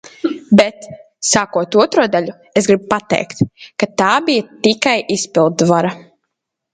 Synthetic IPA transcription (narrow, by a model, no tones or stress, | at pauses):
bɛt̪ | saːkuɔt̪uɔt̪ɾuɔd̪aʎʲu | ezɡɾibpat̪ɛ̰jkt̪kat̪aːbijat̪ikajispilˠt̪vaɾa